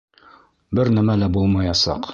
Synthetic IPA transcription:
bɘɾnæmælæbulˠmɑjɑsɑ̰q

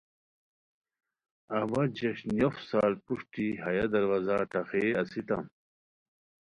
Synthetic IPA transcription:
ɐwɐd͡ʑɐɕnjofsaːlpuʂʈihɐjad̪ɐɾwazaʈɐxeɐsit̪ɐ̰m

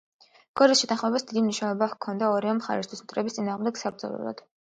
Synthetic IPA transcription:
ɡ̥ɔɾisʃɛt̪ʰanχmɛbasd̪id̪imniʃnɛlˠɔbakʰɔnd̪aɔɾivɛmχa̰ɾɛst̪ʰwismt̪ʰʼɾɛbist̪ʼinaːʁmd̪ɛɡsaɾzɔ̰lɛ̰ɾˠɔ̰d̪̥

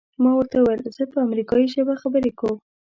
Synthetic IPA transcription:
mɑwəɾt̪auwajlz̥əpəamɾikɑjiʃəbaxabəɾekaw

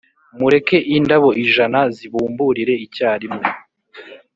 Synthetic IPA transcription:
muɾe̞ke̞ʔindaβo̞ʔiʒanaziβuːmbuːɾiɾe̞icaːɾimŋo

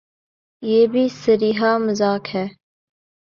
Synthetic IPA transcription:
jeːbʱiːsəɾiːɦaːməzaːkhɛː

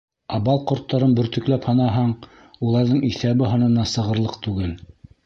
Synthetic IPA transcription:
ɑβɑlˠqŏɾt̪ːɑɾɤnbɵ̆ɾt̪ɵ̆klæphɑnɑɦɑɴ | ulˠɑɾðɤɴiθæβɘɦɑnɤ̆nːɑsɤ̆ʁɤ̆ɾlˠɤqt̪ʉɡɘl

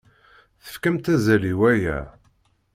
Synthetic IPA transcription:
θə̥fkəmt̪æzæliwæjæ̰

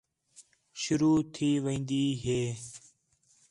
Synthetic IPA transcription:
ʃʊɾuːt̪ʰiːʋəĩːnd̪iːɦeː

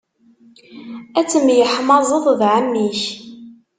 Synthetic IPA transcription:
æt͡sːəmjəħmɑzˤəðˤðʕəmːiç

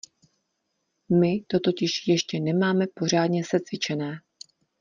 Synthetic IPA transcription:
mɪt̪o̞t̪o̞cɪʃjɛʃcɛnɛmaːmɛpo̞r̝aːdɲɛsɛt͡svɪt͡ʃɛnɛː

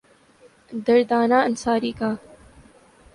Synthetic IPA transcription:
d̪ɐɾd̪aːnaːɐnsaːɾiːkaː

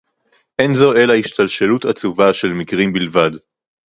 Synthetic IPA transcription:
ʔenzoe̞laiʃt̪alʃelutat͡suvaʃe̞lmikʁimbilvad

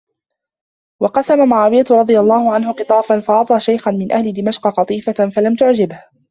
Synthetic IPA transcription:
wɑqɑsamamaʕaːwɪjat̪ʊɾˤɑd̪ˤɨjalˤːɑːhʊʕanhʊqɨt̪ˤɑːfanfaʔɑt̪ˤɑːʃajxanmɪnʔahlɪd̪ɪmaʃqɑqɑt̪ˤiːfafalamt̪ʊʕd͡ʒɪbh

